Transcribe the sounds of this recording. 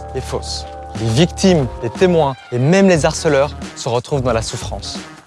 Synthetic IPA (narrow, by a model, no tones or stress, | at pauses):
ɛfoslevikt̪imd̪et̪emwɛ̃emɛmlezaʁsəlœʁsəʁət̪χuvd̪ɑ̃lasufχɑ̰̃s